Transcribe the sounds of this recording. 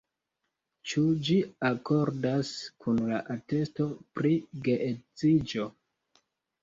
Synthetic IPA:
t͡ʃud͡ʒiako̞ɾdaskʰunlaʔate̞sto̞pɾiɡeʔet͡sid͡ʒo̞

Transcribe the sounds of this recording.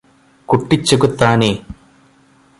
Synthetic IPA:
kuʈːit͡ʃːɐkut̪ːaːne

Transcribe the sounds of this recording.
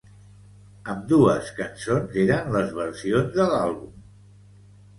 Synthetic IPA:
əmd̪uəskənsonzeɾənləzβəɾsionzðəlalˠβum

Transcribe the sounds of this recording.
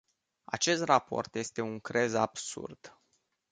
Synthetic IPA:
a̰t͡ʃe̞st̪rapo̞̰rt̪je̞st̪e̞uŋkɾe̞zab̥sṵrd̪̥

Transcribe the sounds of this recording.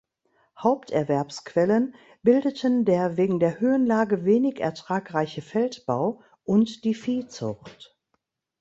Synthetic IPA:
haʊptʔɛɐvɛɐpskv̥ɛlən | b̥ɪldətʰəndeːɐveːɡŋ̩deːɐhøːənlaːɡəveːnɪçɛ̰ɐtʁ̥aːkʁaɪçəfɛltb̥aʊ | ʔʊntd̥iːfiːt͡sʊ̰xt

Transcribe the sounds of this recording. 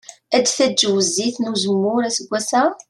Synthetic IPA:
æd̪θæd͡ʒwəzːiθnuzəmːʊɾæsəɡʷːæsæ

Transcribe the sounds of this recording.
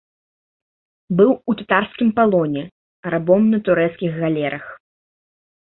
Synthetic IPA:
bɨwut̪at̪arskʲimpalˠɔnʲɛ | ɾabɔmnɐt̪uɾɛt̪skʲiɣɣalʲɛɾʔɐx

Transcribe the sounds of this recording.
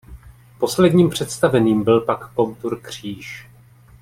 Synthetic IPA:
po̞slɛdɲiːmpr̝̥ɛt̪st̪avɛniːmbɪlpakːomt̪uɾkr̝̥iːʃ

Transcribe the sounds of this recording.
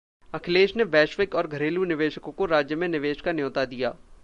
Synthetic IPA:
ɐkʰɪleːʃneʋɛːʃʋɪkɔːɾɡʱɐɾeːlunɪʋeːʃəkõkoɾaːd͡ʒjəmẽnɪʋeːʃkanjoːt̪ad̪ijaː

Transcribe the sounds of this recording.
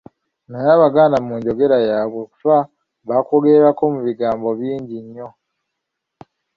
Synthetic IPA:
najaːβaɡaːnamuːɲɟo̞ɡe̞ɾajaːβwe̞ku̥fa | βakoɡe̞ːɾako̞muβiɡaːmbo̞βiːɲɟiɲːo̞

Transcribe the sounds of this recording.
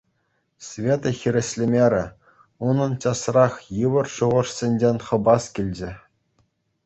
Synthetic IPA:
sʲvʲet̪ɤ̆xʲiɾʲɘ̆sʲlʲemʲeɾʲɘ̆ | unɤ̆nt͡ɕɑsrɑχjɯʋɤ̆rʂuʁɤ̆ʂsʲenʲd͡ʑenʲχɤ̆bɑskʲilʲd͡ʑɘ̆

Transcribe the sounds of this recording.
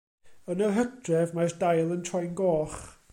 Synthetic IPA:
ənəɦək̚d̥rɛvmajsd̥ajlˠəntʰɔjnɡɔːχ

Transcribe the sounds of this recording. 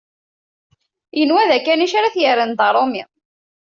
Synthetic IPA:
jənwæðækːæniʃaɾaθjəɾənd̪ˤɑɾˤomḭ

